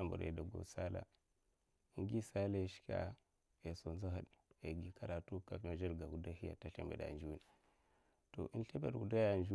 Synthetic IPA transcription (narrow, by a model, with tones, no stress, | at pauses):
a˦mbṵ˨ɾjḛ˨da˨ɡo̰˨sa˦la̰˦ | i˦ŋɡi˦sa˦la˦i˦ʃkʲa̰˦ | e˨so˨nza˦ɦə˨ɗe˨ɡi˨kʰa˦ɾa˨tu˦ka˨fma˨d͡ʒa˦ɾɡa˨u˨da˦hi˦ja̰˨ta˦ɬe˨mbḛ˨da̰˨nd͡ʒu˦u˦n˨ | to̰˨ʔi˦nɬe˦bḛ˨du˨da˦ja˨nd͡ʒu˦